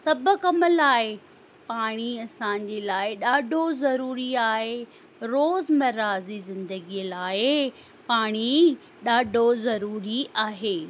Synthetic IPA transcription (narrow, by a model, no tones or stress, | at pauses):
sɐbʱʊ̆kɐməlaːɪ | paːɽ̃iɐsãːɲ̆d͡ʑeːlaːɪɗaːɖʱozɐɾuːɾiaːɦe | ɾoːzmɐɾaːzizɪ̃nd̪əɡiəlaːɪ | paːɽ̃i | ɗaːɖʱozɐɾuːɾiaːɦeː